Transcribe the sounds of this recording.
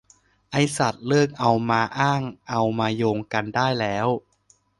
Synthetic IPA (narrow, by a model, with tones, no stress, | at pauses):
ʔa˧jsa˨˩t̪̚lɤː˥˩k̚ʔa˧wmaː˧ʔaː˥˩ŋʔa˧wmaː˧joː˧ŋka˧ndaː˥˩jlɛː˦˥w